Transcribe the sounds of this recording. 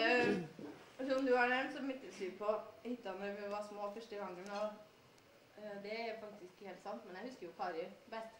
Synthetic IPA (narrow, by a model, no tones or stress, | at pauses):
tund̪ʉænɛmnt̪sɔmɪt̪ːəsyːpʰɔhɪt̪ːəɑnəmjʊʋɑɾsmoːfœʂʈəɡɑŋːənɔ | d̪ɛæfɑk̚t̪ʰɪskheːlt̪sɑnt̪mɛnɛɪhʉskəɾjʊkʰɑːɾɪbɛst̪